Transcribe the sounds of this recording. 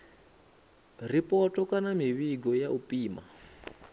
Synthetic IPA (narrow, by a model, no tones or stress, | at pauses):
ripʼɔtɔkʼanamiβiɡɔjaʔupʼiːma̰